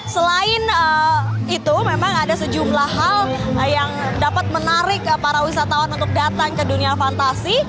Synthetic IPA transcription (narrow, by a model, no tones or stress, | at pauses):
səlaɪnəit̪umemaŋadasəd͡ʒumlaɦaljaŋdapat̪̚mənaɾɪk̚paɾawisat̪awanunt̪ʊk̚dat̪aŋkəduniafant̪asi